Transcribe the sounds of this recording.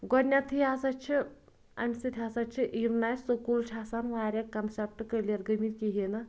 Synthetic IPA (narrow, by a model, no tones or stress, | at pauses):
ɡɔnʲːat̪ʰiasɐt͡ʃʰi | a̰mʲisɨt̪ʲʰasɐt͡ʃʰiʔiɾnaːjsokult͡ʃʲʰaːsanʋaːɾʲɐkɐnsep̚ʈɨkəlʲjeɾɡəmiɾkiɦinɐ